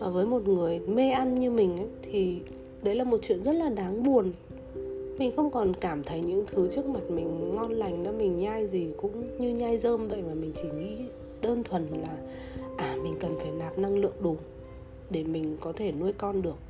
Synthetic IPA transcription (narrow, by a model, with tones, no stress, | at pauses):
vaː˨˩vəː˨˦jmo˨˩t̚ŋɨ˨˩əjme˧ʔa˧nɲɨ˧mï˨˩ŋ̟ʔə˨˦jt̪ʰi˨˩ | ɗə˨˦jlaː˨˩mo˨˩t̚t͡ɕwḭ˧˨ənzə˦˥t̚laː˨˩ɗaː˨˦ŋɓu˨˩ən | mï˨˩ŋ̟xə˧wŋ͡mkɔ˨˩nkaː˧˩mt̪ʰə˨˦jɲɨ̰˧˥ŋt̪ʰɨ˨˦t͡ɕɨ˦˥ək̚mə˨˩t̚mï˨˩ŋ̟ŋɔ˧nla˨˩jŋ̟ɗɔ̰˨˦mï˨˩ŋ̟ɲaː˧jzi˨˩kʊ̰˧˥ŋ͡mɲɨ˧ɲaː˧jzəː˧mvə̰˧˨jmaː˨˩mï˨˩ŋ̟t͡ɕi˧˩ŋḭ˧˥ | ɗəː˧nt̪ʰwə˨˩nlaː˨˩ | ʔaː˨˩mï˨˩ŋ̟kə˨˩nfaː˧˩jnaː˨˩p̚na˧ŋlɨ̰˧˨əŋɗu˨˦ | ɗe˧˩mï˨˩ŋ̟kɔ˨˦t̪ʰe˧˩nu˧əjkɔ˧nɗɨ˨˩ək̚